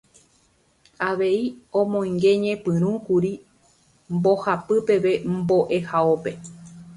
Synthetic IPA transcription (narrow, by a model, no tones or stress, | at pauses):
aʋe̞iõmõ̞ĩŋɡe̞ɲẽ̞pɨ̃ɾ̃ũkuɾi | mbo̞hapɨpe̞ʋe̞mbo̞ʔe̞haope̞